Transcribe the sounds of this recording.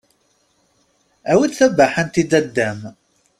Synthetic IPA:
æwid̪θæbæħant̪id̪æd̪ːæm

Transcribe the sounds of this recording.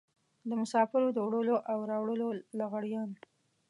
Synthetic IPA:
d̪əmʊsɑfɪɾod̪əwɽəloʔawɾɑwɽəlolaɣaɽjɑn

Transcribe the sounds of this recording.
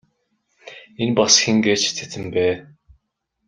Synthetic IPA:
enpɔsxʲiŋɡeːt͡ɕt̪ʰe̥t̪ɘ̆mpæː

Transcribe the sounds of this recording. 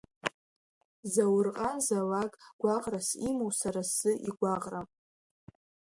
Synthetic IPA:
zawrqʼazalakʼɡ̥ʷaʁʼrasimowsaɾasɨʔiɡʷaʁra

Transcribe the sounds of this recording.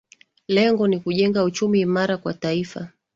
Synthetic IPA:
lɛŋɡɔnikuʄɛŋɡaut͡ʃumiːmaɾakwataifa̰

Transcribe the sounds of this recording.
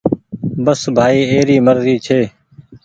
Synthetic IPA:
bəsbʱaːiːeːɾiːməɾziːt͡ʃʰeː

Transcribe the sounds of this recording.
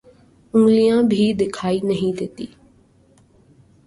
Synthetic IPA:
ʊ̃ŋɡlijãbʱid̪ɪkʰaːinɐɦĩd̪eːt̪ḭː

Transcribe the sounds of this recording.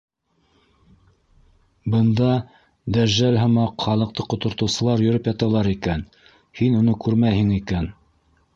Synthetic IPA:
bɤ̆nd̪ɑ | d̪æɾʒælɦɤ̆mɑqχɑlˠɤ̆q̚t̪ɤqŏt̪ŏɾt̪ɤ̆wsɤ̆lˠɑɾjɵ̆ɾɵpjɑt̪ɑlˠɑɾikæn | hinunɤkʉɾmæjhɘŋikæn

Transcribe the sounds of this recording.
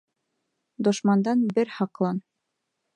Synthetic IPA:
d̪ŏʃmɑnd̪ɑnbɘɾhɑqlˠɑn

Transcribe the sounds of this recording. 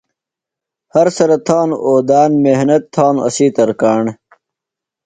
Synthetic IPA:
hɐɾsɐɾɐt̪ʰaːnoːd̪aːnmehnɐt̪ʰːaːnɐ̰siːt̪ɐɾkaːɳ

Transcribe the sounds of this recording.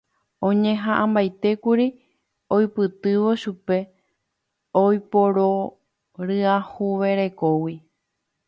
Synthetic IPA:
õɲẽɦãʔãmbajt̪e̞kuɾi | ojpɨt̪ɨʋo̞ʃupe̞ | ojpo̞ɾo | ɾɨahuʋeɾe̞kowi

